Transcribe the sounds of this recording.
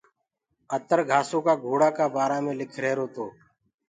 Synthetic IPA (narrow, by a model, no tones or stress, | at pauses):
ət̪əɾɡʱaːsõːkaːɡʱoːɽaːkaːbaːɾaːmẽːlɪkʰɾeːɾoːt̪oː